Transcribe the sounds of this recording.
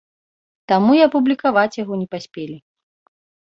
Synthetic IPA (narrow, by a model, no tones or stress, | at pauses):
t̪amuiɐpublʲikavat͡sʲjaɣɔnʲɛpasʲpʲelʲi